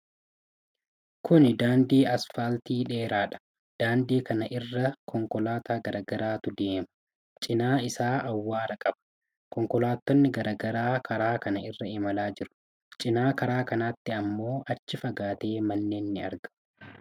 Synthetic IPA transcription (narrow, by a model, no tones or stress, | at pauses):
kʰʊnɪd̪aːnd̪iːɐsfaːlt̪iːᶑe̞ːɾaːᶑɐ̥ | d̪̥aːnd̪iːkɐnɐʔɪrːɐkʰɔŋkɔlaːt̪aːɡɐɾɐɡɐɾaːt̪ʊd̪e̞ːmɐ̥ | t͡ʃʼɪnaːɪsaːʔɐwːaːɾɐkʼɐbɐ̥ | kɔŋkɔlaːt̪ːɔnːɪɡɐɾɐɡɐɾaːkʰɐɾaːkɐnɐɪrːɐɪmɐlaːd͡ʒɪɾʊ̥ | t͡ʃʼɪnaːkɐɾaːkɐnaːt̪ːɪɐmːo̞ːʔɐt͡ʃːɪfɐɡaːt̪e̞ːmɐnːe̞ːnːɪɐ̰ɾɡɐ̥